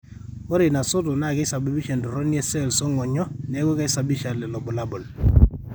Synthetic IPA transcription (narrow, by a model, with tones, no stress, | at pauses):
ɔ˦ɾe˨na˨so˦to˨na˦˨kɪ˦sa˨bi˦bi˦ʃɛ˨ndɔ˨ɾɔ˦njɛ˦sɛ˦˨lsɔ˦ŋɔ˨ɲɔ˦nɛ˨˦ɡɔ˦ka˦i˦sa˨bi˦ʃa˨lɛ˨lɔ˨bɔ˨la˦bɔ˨l